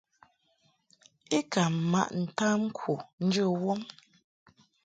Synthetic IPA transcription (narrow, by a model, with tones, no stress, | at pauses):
e˦ka˨ma̰˦ʔn̩˨ta˦ŋ̩˦kʰwu˨n̩˦d͡ʒə˦˨wo˦ŋ